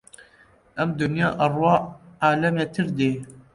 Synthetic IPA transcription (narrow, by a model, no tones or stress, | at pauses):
ʔɐmd̪unjɑːʔɐrwɑːaːlɛmet̪ʰɨɾd̪eː